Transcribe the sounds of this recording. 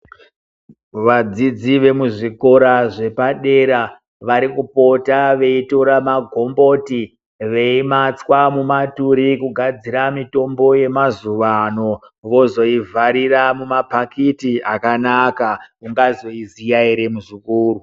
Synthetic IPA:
ʋad͡zid͡ziʋe̞muʐiko̞ɾaʐe̞paɗe̞ɾa | ʋaɾikupo̞taʋe̞ito̞ɾamaɡʱo̞mbo̞ti | ʋe̞imat͡swamumatuɾikuɡʱad͡ziɾamito̞mbo̞je̞mazuʋano̞ | ʋo̞zo̞ivʱaɾiramumapakitiʔakanakauŋɡazo̞izijaiɾe̞muʐikuːru

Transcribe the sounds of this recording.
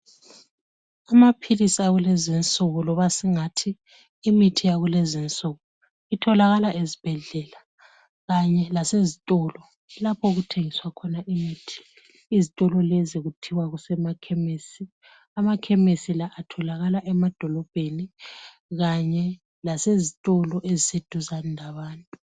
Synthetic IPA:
amapʰilisiaɣulezint͡sʼɔɣɔlɔβasiŋatʰiː | mitʰijaɣulezint͡sʼɔɣɔ | itʰɔlaɣalaʔezib̥ʱɛɮɛla | ɣaɲɛlasezitʼɔlɔ | lapʰɔɣutʰeŋiswakʰɔnaʔimiːtʰi̥ | izitʼɔlɔleziɣutʰiwaɣusɛmakʰemesi | amakʰemesilaʔatʰɔlaɣalaʔɛmad̥ʱɔlɔb̥ʱeni | ɣaɲɛ | lasezitʼɔlɔʔezised̥ʱuzanlʱaβaːntʼu

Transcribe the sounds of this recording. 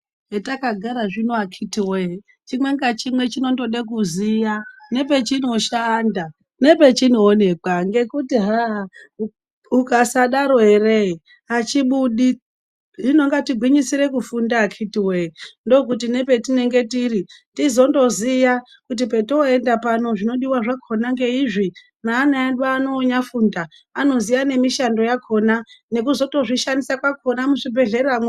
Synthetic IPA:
etakaɡʱaɾaʐinoakʰitiwe | t͡ʃimweŋɡat͡ʃimwe̞t͡ʃino̞ndo̞ɗek̬uzijane̞p̬e̞t͡ʃino̞ʃanda | ne̞pe̞t͡ʃinoːne̞kwaŋɡe̞kutiɦa | ukasaɗaɾoɦerei | at͡ʃiɓuɗi | ʐino̞ŋɡatiɡʱwiɲisiɾe̞kufundaːkʰitiwendo̞k̬ut̬ine̞pe̞tine̞ŋɡe̞tiritizo̞ndo̞zija | kut̬ipe̞toe̞ndapano̞ʐino̞ɗiwaʐakʰo̞naŋɡe̞iʐi | naːnaaɗaːno̞ːɲafunda | ano̞zijane̞miʃando̞jakʰo̞nane̞kuzo̞to̞ʐiʃandisakwako̞namuʐibʱe̞ɮe̞ɾamwe

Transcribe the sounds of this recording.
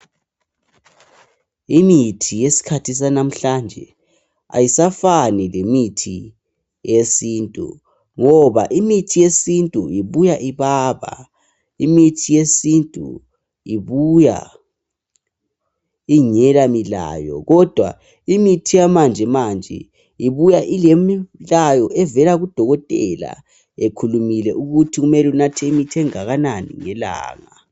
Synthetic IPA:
imitʰijesi̥kʰatʰis̬anam̩ɬand͡ʒʱɛ̰ | a̰jisafanilemitʰi | jesiːntʼṵ | ŋɔβaʔimitʰijesintʼuiβujaʔiβaːβa̰ | imitʰijesintʼṵ | iβuja̰ | iɲɛlamila̰ːjɔ̰ɣɔd̥ʱwa̰ | imitʰijamand͡ʒʱɛmand͡ʒʱɛ̰ | iβujaʔilemilajɔʔɛvɛlaɣud̥ʱɔɣɔtʼɛ̰la̰ | ekʰulumilɛʔuɣutʰiɣumɛlunatʰɛimitʰɛŋaɣananḭŋɛla̰ːŋa

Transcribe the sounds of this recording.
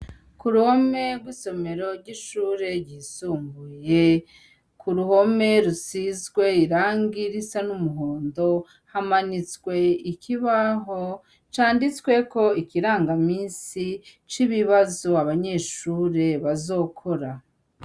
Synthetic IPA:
kuɾuho̞me̞ɾɡwiːso̞me̞ɾo̞ɾɟiʃuːɾe̞ɾɟisuːmbuje̞ | kʰuɾuho̞me̞ɾusizɡwe̞iɾaːŋɡiɾisanumuɦoːndo̞ | hamanit͡skwe̞ikʰiβaɦo | t͡ʃaːndit͡skwe̞ko̞ikiɾaːŋɡamiːnsit͡ʃiβiβazoaβaɲe̞ːʃuːɾe̞βazo̞ːkʰo̞ɾa

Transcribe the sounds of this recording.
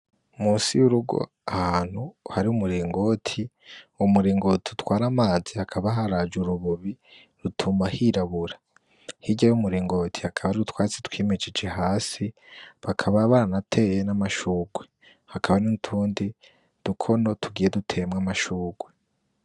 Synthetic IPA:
muːsijuɾuɡo̰ | ahaaːn̥huhaɾiumuɾiːŋɡo̞tʰi | umuɾiːŋɡo̞tʰiutwaːɾamaːd͡zihakʰaβaɦaɾad͡ʒuɾuβuβi | ɾutʰuːmbahiɾaβuɾa | hiɟajumuɾiːŋɡo̞ːtʰi̥hakʰaβaɾiɾutwaːt͡setwiːmed͡ʒid͡ʒe̞haːsi | βakʰaβaβaːɾanatʰe̞ːjenamaʃuːɡwe | hakʰaβaninutʰuːndi | d̥ukʰo̞no̞tʰuɡiːje̞dutʰe̞mŋamaʃuːɡwe

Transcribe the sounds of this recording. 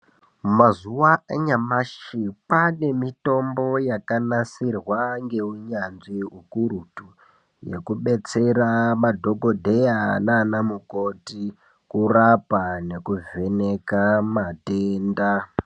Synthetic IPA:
mazuwaaɲamaʃipane̞mito̞mbo̞jakanasirwaŋɡe̞uɲanʐiukuɾutu | je̞̰kuɓe̞t͡se̞ramadʱo̞ɡʱo̞dʱejanaːnamuko̞ti | kurapane̞kuve̞ne̞kamateːnda

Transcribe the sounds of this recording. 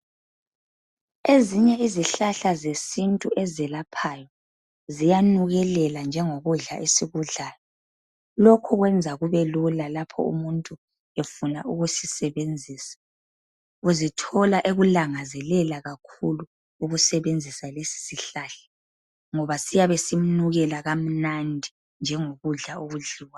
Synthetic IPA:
eziɲɛiziɬaɬazesintʼuʔezɛlapʰaːjɔ | zijanuɣɛlɛland͡ʒʱɛŋoɣuɮaʔisiɣuɮaːjɔ | lɔkʰɔɣwɛnd͡zʱaɣuβelulalapʰɔ̰ṵmuntʼu | efunauɣusisɛβend͡zʱiːsḁ | uzitʰɔlaʔeɣulaŋazɛlɛlaɣakʰuluː | ɣusɛβend͡zʱisalesi̥siɬaːɬɛ̥ | ŋɔβasijaβesim̩nuɣɛlaɣam̩nandʱi | nd͡ʒʱɛŋoɣuɮaoɣuɮiwa

